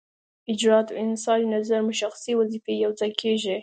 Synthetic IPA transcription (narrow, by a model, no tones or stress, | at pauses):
ɪd͡ʒɾɑt̪aɪnsɑnnazaɾmʊʃaxsiwazifejawd͡zajkʰeʒi